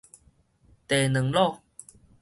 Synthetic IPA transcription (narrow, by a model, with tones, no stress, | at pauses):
t̪e˨˩nə˨˩˦ŋlɔ˥˨